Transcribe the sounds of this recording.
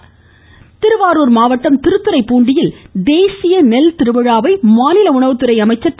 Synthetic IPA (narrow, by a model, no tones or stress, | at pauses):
t̪ɪɾɯʋaːɾuːɾmaːʋɐʈːɐmt̪ɪɾɯt̪ːɯɾɐɪpːuːɳɖɪjɪld̪eːsɪjɐnɛlt̪ɪɾɯʋɐɻaːʋɐɪmaːnɪlɐʊɳɐʋɯt̪ɯɾɐɪɐmɐɪt͡ʃːɐ